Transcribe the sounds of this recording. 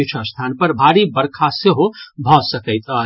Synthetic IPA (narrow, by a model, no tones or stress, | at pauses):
t͡ʃʰə̃st̪ʰanpəɾbʱaɾibəɾkʰaseɦobʱɔsəkəɪt̪ə